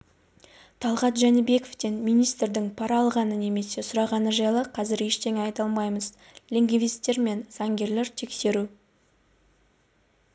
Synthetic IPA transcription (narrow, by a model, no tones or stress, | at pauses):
t̪ʰɑlˠʁɑt̪ʒænɪbe̞koft̪e̞nmijnijst̪ɾd̪ɪŋpʰɑɾɑːlˠʁɑnəne̞me̞se̞sʊɾɑʁɑnəʒɑjlˠəqʰɑzɪɾe̞ʃt̪ʰe̞ŋɑjt̪ɑlˠmɑjməz | lʲeŋɡʲvist̪ːe̞ɾme̞nz̥ɑŋɡʲe̞ɾle̞ɾt̪ʰe̞kse̞ɾu